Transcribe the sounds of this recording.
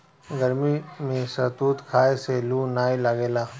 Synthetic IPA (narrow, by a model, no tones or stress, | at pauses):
ɡəɾmimẽsɐt̪uːt̪kʰaːeselunaːilaɡeːlaː